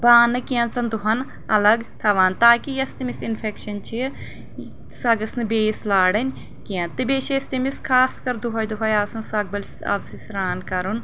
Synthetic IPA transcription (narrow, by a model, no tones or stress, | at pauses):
baːnːɨkiɐ̃nt͡sɐnd̪uɦɐn | ɐlɐɡt̪ʰɐʋaːnt̪aːkijɐst̪imisinfʰekʃɐnt͡ʃʰi | sɐɡɐsnɨbeːslaːɽɐnʲ | kiɐnt̪ɨbeːʃest̪imiskʰaːskɐɾd̪uɦɐjd̪uɦɐjaːsɐnsɐɡ̚bɐlʲsɐ̰lsisɾaːnkɐɾun